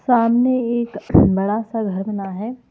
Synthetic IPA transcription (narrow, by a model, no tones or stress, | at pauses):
saːmneeːkbɐɽasaɡʱɐɾmənaɦɛː